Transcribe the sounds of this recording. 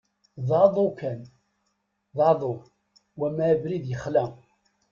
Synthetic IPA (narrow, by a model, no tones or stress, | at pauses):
ðˤɑðˤokæn | ðˤɑðˤo | wæmæbɾiðjəχlæ